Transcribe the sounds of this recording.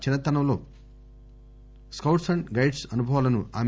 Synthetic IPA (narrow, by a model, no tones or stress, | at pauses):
t͡ʃinːɐt̪ɐnɐmlo̞̰ː | skɐwʈsɐɳɖɡɐjʈsɐnubʱɐʋaːlɐnuaːm